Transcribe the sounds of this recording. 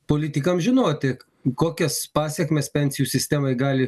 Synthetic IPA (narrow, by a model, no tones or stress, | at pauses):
poːlʲɪt̪ʲɪkɐmʒʲɪnoːt̪ʲɪ | koːkʲɛspɑːsʲɛkmʲeːspʲɛnʲsʲɪjuːsʲɪsʲt̪ʲæːmɐɪɡɑːlʲɪ